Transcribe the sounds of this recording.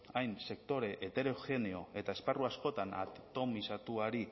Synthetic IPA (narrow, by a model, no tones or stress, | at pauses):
ajnse̞k̚t̪o̞ɾe̞ʔːt̪e̞ɾoxe̞neo̞e̞t̪ae̞sparuasko̞t̪ana̰t̪o̞misat̪uaɾi